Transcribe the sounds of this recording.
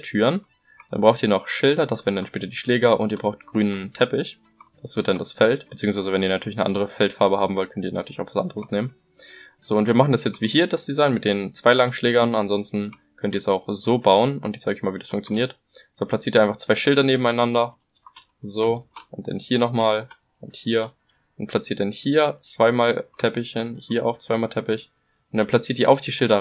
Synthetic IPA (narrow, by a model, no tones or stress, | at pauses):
tʰyːɐn | d̥a̰nbʁaʊxtiːɐnɔχʃɪldɐdasv̥ɛːɐdndanʃpɛːtɐdiːʃlɛːɡɐʔʊ̰ntiːɐbʁaʊxtɡ̥ʁyːnəntʰɛpɪç | d̥asv̥ɪɐtd̥andasfɛltb̥ət͡siːʊŋsvaɪzəvɛniːɐnatʰyɐlɪçnəʔa̰ndəʁəfɛltfaɐbəhaːbm̩vɔltkʰœntiːnatʰyːlɪçaʊxv̥asʔa̰ndəʁəsneːmən | z̥oːʊntviɐmaχn̩dasjɛt͡stv̥iːɦiːɐdasd̥izaɪnmɪt̚d̥eːnt͡sv̥aɪlaŋʃlɛːɡɐnanzɔnstn̩ | kʰœntiːɐsaʊxz̥oːbaʊənʊntjɛtt͡sʰːaɪɡçmaːlviːdasfʊŋkt͡sjoniːɐt | z̥oːpʰl̥at͡siːɐtiːaɪnfaχt͡sv̥aɪʃɪldɐneːbm̩aɪnandɐ | zoːʔʊnt̚d̥a̰nhiːɐnɔχmaːl | ʔʊnthiːɐ | ʔʊnt̚pʰl̥at͡siːɐt̚d̥anhiːɐt͡sv̥aɪmaːltʰɛpɪçənhiːɐʔa̰ʊxt͡sv̥aɪmaːltʰɛpɪç | ʊntd̥anpʰl̥at͡siːɐtdiːɐʔa̰ʊfd̥iːʃɪldɐ